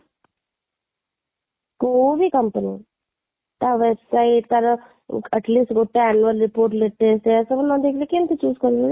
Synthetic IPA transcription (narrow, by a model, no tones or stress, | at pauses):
koʋikɐmpəni | t̪aʋebsaiʈkɐɾ | ɐʈliːsʈɡʱoʈːeɛnuəlɾipoːɾʈleʈːesʈesɐbnãd̪eːkʰlekent̪et͡ʃuːzkɐɾe